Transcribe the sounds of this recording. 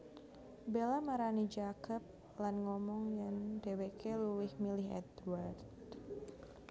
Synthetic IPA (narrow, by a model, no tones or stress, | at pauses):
belamaɾanid͡ʒakəp̚ | lanŋɔmɔŋjaŋdewekʰeluɪhmilɪɦɛ̰t̪ward̪